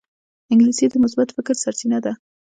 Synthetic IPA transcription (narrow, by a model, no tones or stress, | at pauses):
ɪŋɡlisid̪əmʊsbat̪fɪkɾsaɾt̪inad̪a